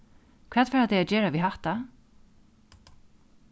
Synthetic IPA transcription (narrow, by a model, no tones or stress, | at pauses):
kʰvɛːt̪fɛːɾat̪ɛjad͡ʒɛːɹaviɦaht̪a